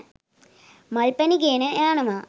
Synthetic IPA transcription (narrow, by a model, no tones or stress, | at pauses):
mɐɭpɐniɡeːnɨʔaːɳɐmaː